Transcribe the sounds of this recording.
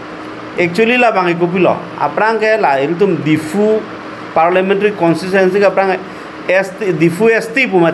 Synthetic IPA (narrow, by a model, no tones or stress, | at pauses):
ek̚t͡ʃuelilabaŋik̬up̬ilɔ̰ | a̰pɾaŋkɛlaiɾt̪̬umdifʰu | paɾlamɛ̃nʈaɾikɔnsis̬ɛnsikapɾaŋɛ | stidifuest̪ip̬uma